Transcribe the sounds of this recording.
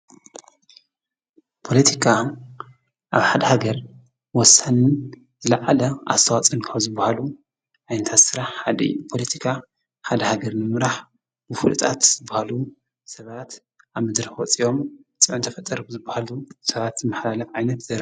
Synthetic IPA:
pʰo̞lɐt̪ʰikʰa | ʔaβħad̪ɐhaɡɐɾ | wɔsann | z̥ɨlaʕalɐʔa̰st̪ʰɐwat͡sʼɐnkʰaβzɨbːahalu | ʕajnɐt̪ʰat̪sɨɾaħħad̪ɐ̰jupʰo̞lɐt̪ʰi̥kʰa | ħad̪ɐhaɡɐɾnɨmɨɾaħ | bɨfɨ̰lt̪ʼat̪z̥ɨbːahalu | sɐβat̪ | aβmɨd̪ɾɐħwɔt͡sʼiʔo̞mt͡sʼɨʕunt̪ʰɐfɐt̪ʼːɐɾzɨbːahalusɐβat̪zɨmaħlalɐfʕajnɐt̪zɐɾ

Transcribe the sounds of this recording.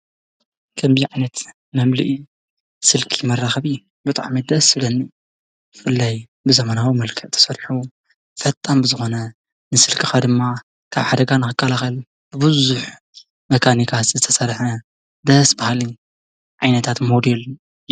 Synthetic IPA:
kʰɐmbiʕajnɐt̪ | mɐmlḭʔi | sɨlkʰimɐrːaxɐβi | bɨt̪ʼa̰ʕmid̪ɐsɨlɐnːi | bɨfɨlːaj | bɨzɐmɐnawimɐlkʰɐʔt̪ʰɐ̥sɐɾħu | fɐt̪ʼːambɨzɨxo̞nɐ | nɨsɨlkʰɨxad̪ɨmːa | kʰaβħad̪ɐɡanɨxɨkʼːɐlaxɐl | b̥ɨbɨzuħ | mɐkʰanikʰat̪zɨt̪ʰɐsɐɾħɐ | d̪ɐsbahalɨn | ʕajnɐt̪ʰat̪mod̪elu

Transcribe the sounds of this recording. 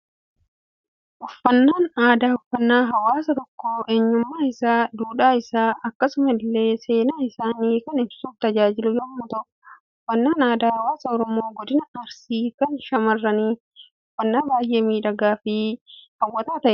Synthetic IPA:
ʔɔfːɐnːaːnaːd̪aːɔfːɐnːaːɦɐwaːsɐt̪ɔkːoːʔeːɲːʊmːaːɪsaːd̪uːᶑaːɪsaːɐkːɐsʊmɐɪlːe̞ːse̞ːnaːɪsaːniːkɐnɪbsuːft̪ɐd͡ʒaːd͡ʒɪlʊjɔmːʊt̪ɔʔ | ɔfːɐnːaːnaːd̪aːhɐwaːsɐɔɾɔmo̞ːɡɔd̪ɪnɐːɾsiːkɐnʃɐmɐrːɐniː | ɔfːɐnːaːbaːjʔe̞ːmiːᶑɐɡaːfɪhɐwːɐt̪aːt̪ɐʔɛ

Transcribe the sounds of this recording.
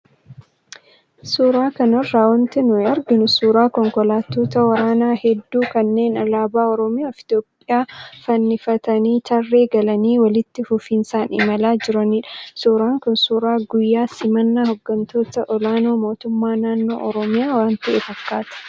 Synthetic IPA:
suːɾaːkɐnɐrːaːwɐnt̪ɪnʊɛɐɾɡɪnʊsuːɾaːkɔŋkɔlaːt̪ːo̞ːt̪ɐwɐɾaːnaːhɛd̪ːuːkɐnːe̞ːnɐlaːbaːɔɾɔmɪjaːfɪ̥t̪joːpʼːɪjaːfɐnːɪfɐt̪ɐniːt͡ʃɐrːe̞ːɡɐlɐniːwɐlɪt̪ːɪfʊfiːnsaːnʔɪ̰mɐlaːd͡ʒɪɾɐniᶑɐ̥suːɾaːŋkʊnsuːɾaːɡʊjːaːsɪmɐnːaɦɔɡːɐnt̪o̞ːt̪ɐʔɔlaːno̞ːmo̞ːt̪ʊmːaːnaːnːo̞̰ːʔɔɾɔmɪjaːwaːnt̪ɐḛːfɐkːaːt̪ɐ̥

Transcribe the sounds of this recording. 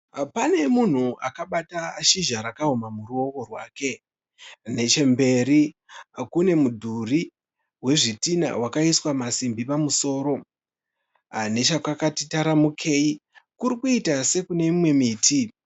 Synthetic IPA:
pane̞mun̤uakaɓataːʃiʒaɾakaɦomamuruo̞ko̞rwaːke̞ | ne̞t͡ʃe̞mbe̞ɾikune̞mudʱuri | we̞ʐitina̰wakaiswamasimbipamuso̞ːɾo̞ | ane̞t͡ʃakakatitaɾamukʰe̞ikuɾikuitase̞kune̞imwe̞miːtʰi

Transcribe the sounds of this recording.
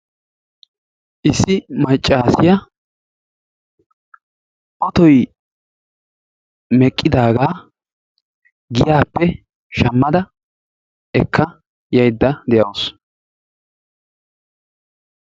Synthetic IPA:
ʔɪsːɪmɐt͡ʃʼːaːsɪjɐ | ʔɔt̪ɔj | mɛkʼːɪd̪aːɡaː | ɡɪjaːpːɛ | ʃɐmːɐd̪ɐ | ʔɛkʰːɐ | jɐjd̪ːɐd̪ɛjɐws

